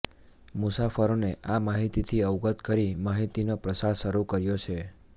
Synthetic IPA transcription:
mʊsafəɾoneʔamaɦit̪it̪ʰiəʋɡət̪kəɾimaɦit̪inopɾəsaɾʃəɾukəɾjot͡ʃʰe

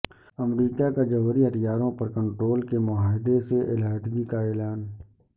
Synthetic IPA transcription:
ɐmɾiːkakad͡ʒɐʋəɾiɦɐt̪jaːɾõpɐɾkə̃ɳʈɾoːlkemʊɦaːɦɪd̪eseʔɪlaːɦt̪ɡikaɛːlaːn

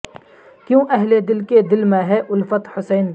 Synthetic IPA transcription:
kjõːʔɛɦled̪ɪlked̪ɪlmẽɦɛʔʊlfət̪hʊsɛːn

